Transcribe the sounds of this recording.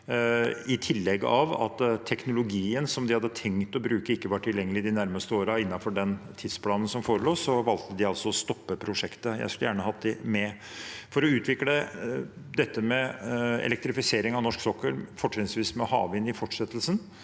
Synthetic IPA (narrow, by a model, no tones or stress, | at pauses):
ɪt̪ʰɪlːɛɡ̰ːɑ̰ʋɑ̰t̪t̪ʰːɛknʊlʊɡiːənsɔmd̪ɪhɑd̪ːət̪ʰɛŋt̪ɔbɾʉːkəɪkːəʋɑʈʰːɪljɛŋːəlɪd̪ɪnæɾməst̪əoːɾɑɪnːɑfɔɖɛnt̪ʰid̪spʰlɑːnən̩sɔmfoːɾəloːsɔʋɑlt̪əd̪ɪɑlsɔɔst̪ɔpːəpʰɾʊʂɛkt̪əjæ̰ɪskʉləjæːɳəhɑt̪d̪ɪmɛ | fɔɾɔʉːt̪ʋɪklə | d̪ɛt̪ːəmɛɛ̰lɛk̚t̪ɾɪfɪseːɾɪŋɑʋnɔʂksɔkːəɾfɔʈʂɛsʋiːsmɛhɑ̰ːʋɪnɪfɔʈːʂɛt̪ːəlsən